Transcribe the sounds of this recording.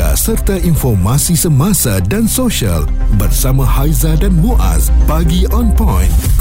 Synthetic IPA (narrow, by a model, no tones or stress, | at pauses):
a̰sərt̪aʔinfɔrmãsisəmãsadansoʃia̰lbərsamãhajzadanmuʔa̰sbaɡiʔɔnpɔ̃jn